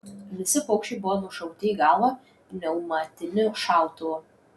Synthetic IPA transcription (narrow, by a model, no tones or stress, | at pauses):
ʋʲɪsʲɪpoːkʃʲt͡ʃʲɛɪbʊʋɔnʊʃɐʊt̪ʲɪiːɡɑːlˠɐ | nʲɛʊmɑt̪ʲɪnʲɪʃɑˑʊt̪oo